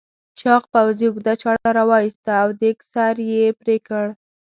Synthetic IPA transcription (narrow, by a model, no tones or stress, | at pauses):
t͡ʃɑqpawziʊɡd̪at͡ʃɑɽaɾawɑjist̪aːwd̪eksaɾjepɾekəɽ